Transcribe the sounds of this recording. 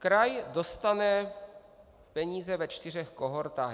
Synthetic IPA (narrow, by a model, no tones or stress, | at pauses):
kɾajdo̞st̪anɛ | pɛɲiːzɛvɛt͡ʃt̪ɪr̝ɛxkoɦoɾt̪aː